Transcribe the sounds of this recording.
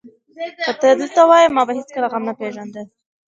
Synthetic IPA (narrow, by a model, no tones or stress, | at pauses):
xət̪əd̪əlt̪awɑjəmɑbaɦet͡skəlaɣamnapeʒand̪ə